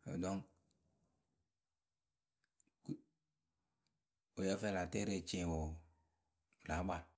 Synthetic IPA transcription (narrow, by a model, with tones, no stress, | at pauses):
ɛ̰˨dɔ˦ŋ˨ | o˨jɛ˦fɛ˦˨la˨tɛ˦ɾe˨t͡ʃẽ˨wɔ˨ | la˨˦ba˨